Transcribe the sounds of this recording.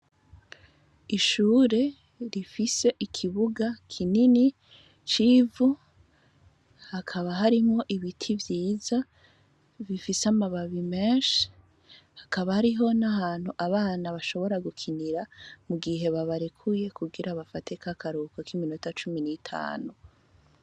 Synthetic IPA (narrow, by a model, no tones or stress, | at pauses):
iʃuːɾe̞ | ɾifise̞ʔikʰiβuɡakʰinini | t͡ʃivu | hakʰaβaɦaɾimŋo̞ʔiβitʰivjiːza | βifisamaβaβimeːʃi̥ | hḁkaβahaɾiɦo̞naɦaːn̥huʔaβaːnaβaʃo̞βo̞ɾaɡukʰiniɾamuɡiɦe̞βaβaɾekʰuje̞kuɡiɾaβafate̞kakʰaɾukakiminotat͡ʃuminitʰa̰ːnu